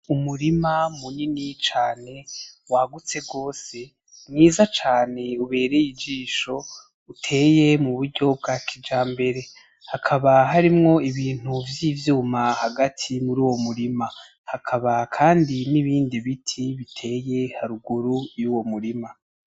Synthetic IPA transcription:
umuɾimamuninit͡ʃaːne̞waɡut͡se̞ɡo̞ːse̞ | mŋiːzat͡ʃaːne̞uβe̞ːɾejid͡ʒiːʃo̞ | utʰe̞ːje̞muβuɾɟo̞b̚ɡaːkʰid͡ʒaːmbe̞ɾe̞ | hakʰaβaɦaɾimŋo̞iβiːn̥uvjiːvjuːmahaɡatʰimuɾuːwo̞muɾima | hakʰaβakʰaːndiniβiːndiβitʰiβitʰe̞ːje̞haɾuɡuɾujuːwo̞muɾima

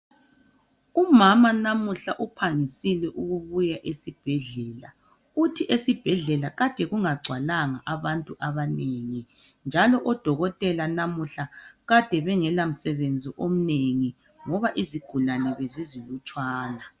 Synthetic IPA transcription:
umamanamuɬaʔupʰaŋisilɛʔuɣuβujaʔesib̥ʱɛɮɛːla | utʰiʔesib̥ʱɛɮɛlaɣad̥ʱɛɣuŋaɡ͡ǀʱwalaŋaʔaβantʼuʔaβaneŋi | nd͡ʒʱalɔʔɔd̥ʱɔɣɔtʼɛlanamuɬaɣad̥ʱɛβɛŋɛlam̩sɛβend͡zʱiʔom̩neŋi | ŋɔβaʔiziɡ̥ʱulanɛβezizilut͡ʃʼwaːna

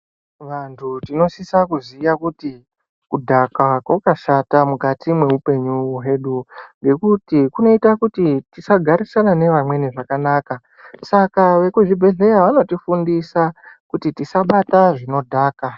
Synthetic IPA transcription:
ʋantʰutino̞sisakuzijakuti | kudʱakakwakaʃatamukatimwe̞upe̞ɲuɦeɗuŋɡe̞kutikuno̞itakutitisaɡʱaɾisanane̞ʋamwe̞niʐakanaːka | sakaʋe̞kuʐibʱe̞ɮe̞ɾaʋano̞tifundisakutitisaɓataʐino̞dʱaːka

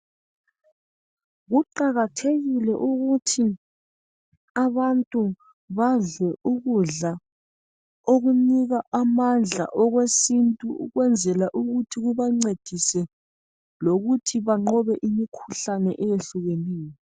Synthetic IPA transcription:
ɣuǃaɣatʰeɣilɛʔuɣutʰi | aβantʼu | βaɮwɛuɣuɮa | oɣuniɣaʔamand͡ɮʱa̰ʔɔɣwesintʼuṵɣwɛnd͡zʱɛlaʔuɣutʰiɣuβaŋ͡ǀed̥ʱisɛ | loɣutʰiβaŋ͡ǃɔβɛʔimikʰu̥ɬanɛʔɛjeɬuɣeneːjɔ

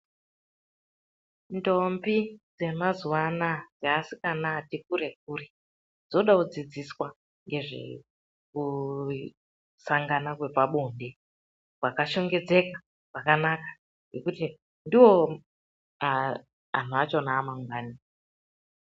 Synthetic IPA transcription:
ndo̞mbid͡ze̞mazuwanad͡zaasikanatik̚uɾe̞k̚uːri | d͡zoɗaud͡zid͡ziswa | ŋɡe̞ʐḛ | ku | saŋɡanakwe̞paɓonde̞ | kwakaʃo̞ŋɡe̞d͡ze̞ka | ʐakanakḁ | ŋɡe̞kuti | ndiwo | a | a̰n̤uat͡ʃonaːmaŋwaːni

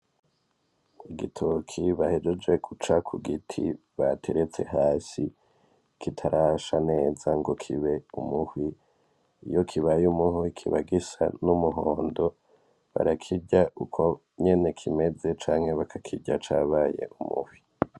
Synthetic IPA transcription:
iɡitʰokʰiβahe̞d͡ʒed͡ʒe̞kut͡ʃakʰuɡitʰḭ | βatʰe̞ɾe̞t͡se̞ɦaːsi | kitʰaɾʔaʃane̞ːzaŋɡo̞kʰiβe̞umuhwi | ijo̞kʰiβajumuhwikʰiβaɡisa̰numuɦoːndo̞ | βa̰ɾakʰiɟaʔukʰo̞ | ɲe̞ne̞kʰime̞d͡ze̞t͡ʃaːŋ̥he̞βakʰakʰiɟat͡ʃaβaːjḛʔumṵhwi

